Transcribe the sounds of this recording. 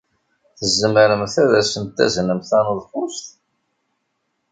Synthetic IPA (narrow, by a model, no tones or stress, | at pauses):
θəzːəməɾəmθæðæsənt̪ːæ̰znəmθænuðˤfʊst̪